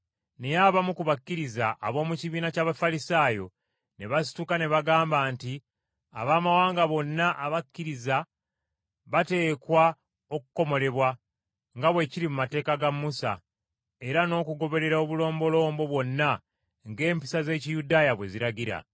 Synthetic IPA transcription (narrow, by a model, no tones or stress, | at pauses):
ne̞jaβamukuβakːiɾizaʔːβo̞ːmuciβiːnacaːβafalisaːjo̞̰ | ne̞βas̬i̥tukane̞βaɡaːmbaːnti | a̰βaːmawaːŋɡaβo̞nːaʔːβakːiɾiza | βate̞ːkwa | o̞kuko̞mo̞le̞βwa | ŋɡaβwe̞ciɾimumate̞ːkaɡamːusa̰ | e̞ɾano̞ːkuɡo̞βe̞ɾe̞ɾao̞βulo̞ːmbo̞lo̞ːmbo̞βwo̞nːa | ŋɡe̞ːmpi̥saze̞ːcijudaːjaβwe̞ziɾaɟiɾa̰